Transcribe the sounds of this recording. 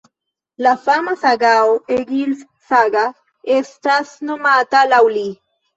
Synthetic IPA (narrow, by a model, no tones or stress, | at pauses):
lafamasaɡaoeɡils | saɡa | est̪asnomat̪alawli